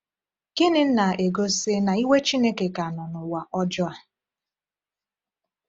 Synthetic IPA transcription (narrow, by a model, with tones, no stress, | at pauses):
kɪ˦nɪ˨n̩˦na˨e˨ɡo˦sɪ˦na˨i˦we˦t͡ʃi˦ne˦ke˨ka˨nɔ˨nʊ˨wa˨ʔɔ˦d͡ʒɔ˦a˨